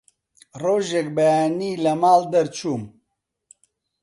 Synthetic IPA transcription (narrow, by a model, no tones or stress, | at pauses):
roːʒek̚bɐjaːniːlɐmaːld̪ɐɾt͡ʃʰuːm